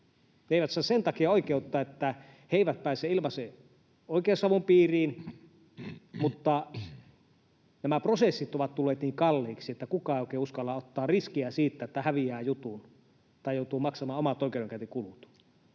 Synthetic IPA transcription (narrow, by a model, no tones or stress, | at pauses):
neeˑiʋæt̪sɑːsent̪ɑkiɑoikeut̪ːɑːet̪ːæ | heiʋæt̪̚pæˑːseːilmɑse | oˑikˑeːsɑʋumpiːriːn | mut̪ːɑ | næmæprosesːit̪oʋɑt̪t̪ulːeːt̪niːŋkɑlːiːksiet̪ːækukɑˑeoˑikˑeːuskɑlːɑot̪ːɑːrriskiæsiːt̪ːæet̪ːæhæʋiæːjut̪un | t̪ɑˑijoˑut̪uːmɑksɑmɑːomɑt̪oˑikeˑuɾeŋkæt̪ekulut̪